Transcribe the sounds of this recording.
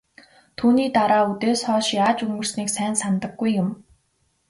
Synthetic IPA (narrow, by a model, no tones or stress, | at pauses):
t̪ʰuːniːt̪aɾaːut̪eːsχɔːʃjaːt͡ɕɵŋɡɵ̆r̥sniːksæːnsant̪ə̆ɡːujːʊm